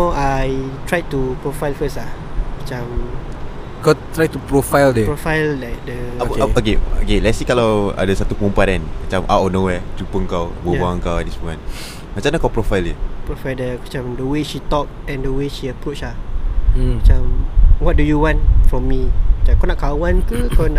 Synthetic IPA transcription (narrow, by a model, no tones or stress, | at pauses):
awajtɹajtupɹofajlfəslamat͡ʃãm | kat̪ɹajtupɹofajldɛpɹofajllak̚dəaokeo̰kelɛtsikalawa̰dəsat̪ukũmpanɛ̃nmat͡ʃãmʔa̰wʔɔnowɛd͡ʒupəŋkawbəbaãŋkawɛdismuã̰n | mat͡ʃãmnakawpɾofajldəpɹofajldəmat͡ʃãmdəweʃit̪ɔk̚ɛ̃ndəweʃiəpɾot͡ʃla | mat͡ʃãmwɔt̚dujuwɔ̃ntfɹɔ̃mːimat͡ʃãmkawnaʔkawãnt̪ukawna